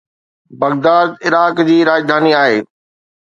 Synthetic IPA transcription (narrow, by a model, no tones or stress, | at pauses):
bɐɡd̪aːd̪̚ɪɾaːkd͡ʑiːɾaːd͡ʑd̪ʱaːniaːɦeː